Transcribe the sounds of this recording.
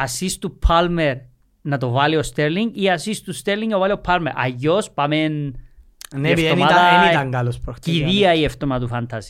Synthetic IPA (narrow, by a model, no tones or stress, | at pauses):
ɐsist̪upʰɐlmeɾ | nɐt̪ovɐliost̪eɾliŋɡiɐsist̪ust̪eɾliŋovɐliopʰːɐlmeɾʔɐ̰ʝospɐmen | efomɐɐeiɐŋɡɐlospɾoxtk̪iðiɐieft̪omɐt̪ufɐnt̪ʰɐsi̥